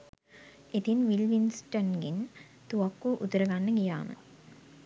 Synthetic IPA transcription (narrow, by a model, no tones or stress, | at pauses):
it̪inʋilʋinsʈonɡin | t̪uʋakːuʔut̪əɾəɡanːəɡija̰ːmə̰